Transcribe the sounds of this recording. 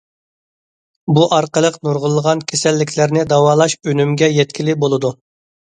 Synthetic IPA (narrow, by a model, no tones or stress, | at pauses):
buʔɑɾqəlˠəqnuɾʁəlˠːəʁɑnkʲʰesɛlːɪkʲʰlɪɾnɪd̪ɑwɑːlˠɑʃønymɡʲɛjɛt̪kʲʰilɪbolˠɨd̪u